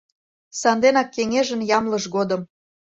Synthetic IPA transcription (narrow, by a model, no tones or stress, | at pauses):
sɑnd̪enɑkːeŋeʒənjɑmləʃɣod̪ə̆m